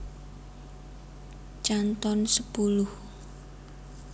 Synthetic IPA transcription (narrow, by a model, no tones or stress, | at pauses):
t͡ʃant̪ɔnsəpulʊh